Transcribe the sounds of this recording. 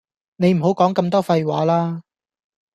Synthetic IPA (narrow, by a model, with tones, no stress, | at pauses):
ne˨˧jm̩˨˩ɦo˨˥wkɔː˨˥ŋkɐ˧mt̪ɔː˥fɐ˧jwaː˨˧˥laː˥